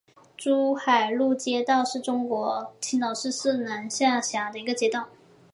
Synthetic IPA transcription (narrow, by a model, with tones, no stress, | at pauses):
ʈ͡ʂu˥xa˨˩ɪlu˥˩t͡ɕjɛ˥t̪ɑ˥˧ʊʂɻ̩˥˩ʈ͡ʂʊ˥ŋkwɔ˧˥t͡ɕʰi˧˥ŋnɑ˨˩ʊʂɻ̩˥˧sɹ̩˥˩na˧˥nɕjɑ˥˩ŋɕja˧˥d̪ə˧i˧˥ɡə˧t͡ɕjɛ˥t̪wɑ˥˩ʊ